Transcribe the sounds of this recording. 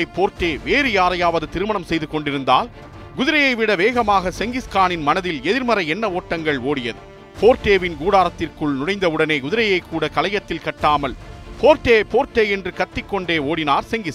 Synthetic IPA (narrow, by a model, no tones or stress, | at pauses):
ɐɪpːoːɾʈeːʋeːɾɯjaːɾɐjaːʋɐðɯt̪ɪɾɯmɐɳɐmsɛjðɯkɔɳɖɪɾɯnd̪a̰ːl | ɡʊðɪɾɐjɐɪʋɪɽɐʋeːɣɐmaːɣɐsɛŋɡɪskaːnɪnmɐnɐðɪlɛðɪɾmɐɾɐɛnːɐoːʈːɐŋɡɐɭoːɽɪjɐðɯ | poːɾʈeːʋɪnɡuːɽaːɾɐt̪ːɪrkɯɭnʊɽɐɪnd̪ɐɯɽɐneːɡʊðɪɾɐjɐɪkːuːɽɐkɐlɐjɐt̪ːɪlkɐʈːaːmɐlpoːɾʈːeːpoːɾʈːeːɛndrɯkɐt̪ːɪkːɔɳɖeːoːɽɪnaːɾsɛŋɡɪs